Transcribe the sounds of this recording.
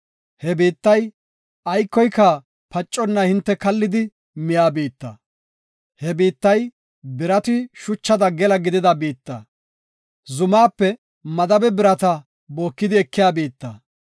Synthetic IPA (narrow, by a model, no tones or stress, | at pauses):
hɛbiːt̪ːɐj | ɐjkːɔjkːɐ | pɐt͡ʃʼːɔnːɐhɪnt̪ːɛkɐlːɪd̪ɪ | mɪjaːbiːt̪ːɐ̰ | hɛbiːt̪ːɐj | bɪɾɐt̪ɪʃʊt͡ʃːɐd̪ɐɡɛlɐɡɪd̪ɪd̪ɐbiːt̪ːɐ | zʊmaːpːɛ | mɐd̪ɐbɛbɪɾɐt̪ɐ | bo̞ːkːɪd̪ɪɛkːɪjaːbiːt̪ːɐ̰